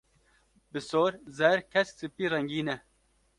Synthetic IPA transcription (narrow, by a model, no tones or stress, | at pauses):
bɨsoːɾzɛɾkʰɛssɨpiːrɛŋɡiːnɛ